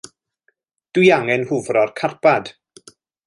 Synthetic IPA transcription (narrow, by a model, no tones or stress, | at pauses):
d̥wiaŋɛnhʊvrɔrkʰarpʰad̥